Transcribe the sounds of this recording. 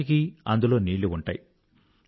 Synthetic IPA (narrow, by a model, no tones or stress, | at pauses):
ikiɐnd̪ulo̞ːniːɭuuɳʈa̰ːji